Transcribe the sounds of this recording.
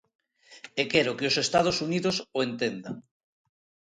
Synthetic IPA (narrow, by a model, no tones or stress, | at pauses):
ekeɾokeosest̪að̞osuniðosoent̪end̪a̰ŋ